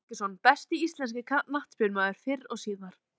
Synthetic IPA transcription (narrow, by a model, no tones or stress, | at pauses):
cɪ̥sɔnpɛst̪ɪist̪lɛnscɪkʰanaht̪spʏɾmaːðʏɾ̥fɪɾɔɣsiːðaɾ̥